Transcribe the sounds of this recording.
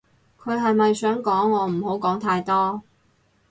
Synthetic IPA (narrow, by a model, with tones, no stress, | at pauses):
kʰɵ˨˧ɥɦɐ˨jmɐ˨jsœː˨˥ŋkɔː˨˥ŋɔː˨˧m̩˨˩ho˨˥wkɔː˨˥ŋt̪ʰaː˧jt̪ɔː˥